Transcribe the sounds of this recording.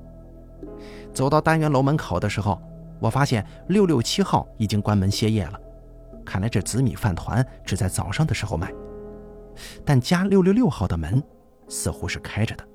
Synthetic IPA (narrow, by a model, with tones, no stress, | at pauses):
t͡so˨˩ʊt̪ɑ˥˩ʊt̪a˥nɥɛ˧˥nlo˧˥ʊmə˧˥nkʰo˨˩ʊd̪ə˦ʂɻ̩˧˥xo˥˧ʊ | wɔ˨˩fa˥ɕjɛ˥˩n | ljo˥˧ʊljo˥˩ʊt͡ɕʰi˥xɑ˥˩ʊi˨˩t͡ɕi˥ŋkwa˥nmə˧˥nɕjɛ˥jɛ̰˥˩lə˩ | kʰa˥˩nla˧ɪʈ͡ʂɤ˥˩t͡sɹ̩˧˥mḭ˨˩fa˥˩nt̪ʰwa̰˧˥nʈ͡ʂɻ̩˨˩t͡sa˥˩ɪt͡sɑ̰˨˩ʊʂɑ˥˩ŋd̪ə˩ʂɻ̩˧˥xo˧ʊma˥˩ɪ | t̪a˥˩nt͡ɕja˥ljljo˥˧ʊljo˥˧ʊxɑ˥˩ʊd̪ə˩mə˧˥n | sɹ̩˥˧xu˥ʂɻ̩˥˩kʰa˥ɪʈ͡ʂə˩d̪ə̥˩